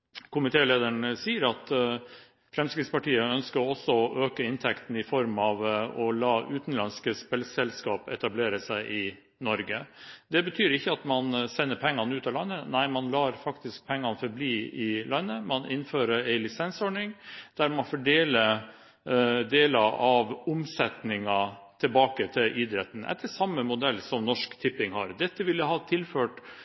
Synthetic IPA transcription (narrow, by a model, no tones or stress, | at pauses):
kʰʊmɪt̪ʰeːleːd̪əɳsiːəɾɑt̪ | fɾɛmskɾɪt̪spɑʈiːəœnskəɾɔsːɔɔʔøːkəɪnt̪ʰɛkt̪n̩ɪfɔɾmɑʋɔlɑːʔʉːt̪n̩lɑnskəspɛlsɛlskɑːpɛt̪ɑbleːɾəsæɪʔɪ | nɔɾɡəd̪ɛbət̪ʰyːɾɪçːəɑt̪mɑnsɛnːəɾpʰɛŋːɑnəʉːt̪ɑːlɑnːənæɪmɑnlɑːɾfɑkt̪ɪsk̚pʰɛŋːɑnfɔɾbliːɪlɑnːəmɑnɪnføːɾəɾæɪlɪsɛnsɔɳɪŋd̪̥æɾmɑnfɔɖeːlə | d̪eːlɑʔɑʋʊmsɛt̪nɪŋɑt̪ʰɪlbɑːkət̪ʰɪlʔɪd̪ɾɛt̪ːn̩ʔɛ̰t̪ʰːəsɑmːəmʊd̪ɛlːsɔmnɔʂkt̪ʰɪpːɪŋhɑɾd̪ɛt̪ːəʋɪlːəɦɑːt̪ʰɪlføːʈ